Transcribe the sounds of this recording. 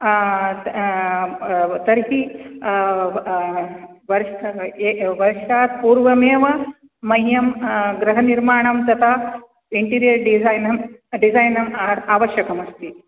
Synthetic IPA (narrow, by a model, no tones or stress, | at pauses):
t̪ɐɾɦi | ʋɐɾ | ʋɐɾʃaːt̪̚puːɾʋɐmeːʋɐː | ɐjjɐmɡɾɐɦɐniɾmaːɳɐmt̪ɐt̪ʰaː | iɳʈiːɾijɐɾɖiajnɐmɖizaːjnɐmaːʋɐʃjɐkɐmɐst̪i